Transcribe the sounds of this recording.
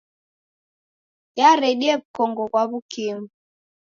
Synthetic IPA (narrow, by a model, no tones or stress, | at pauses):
jaɾɛɗiɛβukɔŋɡɔɣwaβukimu